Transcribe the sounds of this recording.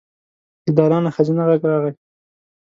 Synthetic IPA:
d̪əd̪ɑlɑnaxazinaɣaɡɾɑɣaj

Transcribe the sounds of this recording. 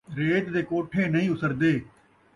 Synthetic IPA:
ɾeːt̪d̪eːkoːʈʰeːnəĩːʊt̪əɾd̪eː

